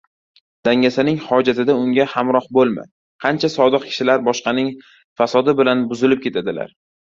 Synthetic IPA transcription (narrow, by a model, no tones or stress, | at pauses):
d̪̥aŋʲasɪnɪŋhɒd͡ʒat̪ʰɪd̪aʊŋʲahamɾɒhbolˠma̰ | qʰɑnt͡ʃʰasɒd̪ɨq̚kʲʰɪ̥ʃɪlaɾbɒʃqɑnɪŋ | fasɒd̪ɪbɪlanbʊzɪlɪp̚kʲʰe̞t̪ʰad̪ɪla̰ɾ